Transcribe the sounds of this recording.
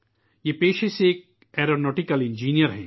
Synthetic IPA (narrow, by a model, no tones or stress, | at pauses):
jepeːʃeseːk̚ | ɛːɾonɔːʈikəlɪ̃nd͡ʒiːnijəɾɦɛ̰ː